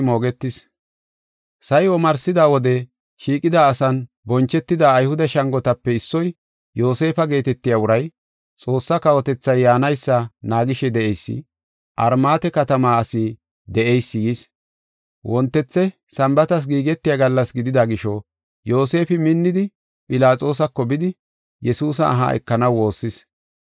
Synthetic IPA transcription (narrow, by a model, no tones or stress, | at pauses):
moːɡɛt̪ːɪs | sɐjwɔmɐɾsɪd̪aːwɔd̪ɛ | ʃiːkʼɪd̪aːsɐn | bɔnt͡ʃːɛt̪ːɪd̪aːjhʊd̪ɐʃɐŋɡɔt̪ɐpːɛɪsːɔj | jo̞ːse̞ːfɐɡe̞ːt̪ɛt̪ːɪjaːʊɾɐj | t͡sʼo̞ːsːɐkɐwɔt̪ɛt͡sːɐjːaːnɐjsːɐnaːɡɪʃɛd̪ɛʔɛjsːɪ̰ | ʔɐɾmaːt̪ɛkɐt̪ɐmaːɐsi | d̪ɛʔɛjsːɪjis | wʔɔnt̪ːɛt͡sːɛ | sɐmbɐt̪ɐs̬ɡiːɡɛt̪ːɪjaɡɐlːɐsɡɪd̪ɪd̪ɐɡɪʃɔ | jo̞ːse̞ːfɪmɪnːɪd̪ɪ | pʼɪlaːt͡sʼo̞ːs̬ɐkːɔbɪd̪ɪ | jɛsuːs̬ɐ̰ːɦa̰ʔɛ̰kːɐnɐwːo̞ːsːɪs